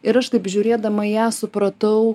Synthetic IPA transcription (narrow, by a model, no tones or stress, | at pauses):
ɪɾɐʃt̪ɐɪpʒʲuɾʲeːd̪ɐmɐjæːsʊpɾɐt̪ɐʊ